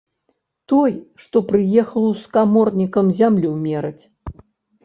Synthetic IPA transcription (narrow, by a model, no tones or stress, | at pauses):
t̪ɔjʂt̪ɔpɾɨjɛxɐlˠwskamɔrnʲikɐmzʲamlʲumʲɛɾɐt͡sʲ